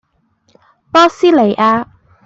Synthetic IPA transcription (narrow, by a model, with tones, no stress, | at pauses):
pɔː˥siː˦˥le˨˩jʔaː˧